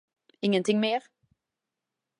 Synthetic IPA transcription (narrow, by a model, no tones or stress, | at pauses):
ɪŋːənt̪ʰɪŋmeːɾ